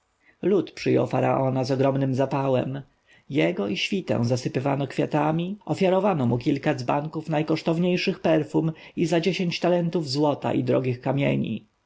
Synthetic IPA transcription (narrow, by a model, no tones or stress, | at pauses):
lut̪pʂɘjɔ̰wfaɾa̰ʔɔnazɔɡɾɔmnɘmzapawɛ̰m | jɛɡɔʔiɕfʲit̪ɛ̰̃w̃zasɘpɘvanɔkfʲjat̪amʲiʔɔfʲjaɾɔvanɔmukʲilkad̪zbaŋkufnajkɔʂt̪ɔvɲejʂɘxpɛɾfum | izad͡ʑeɕeɲt͡ɕt̪alɛnt̪uvzwɔt̪a̰ʔḭd̪ɾɔɡʲixkamʲjḛɲḭ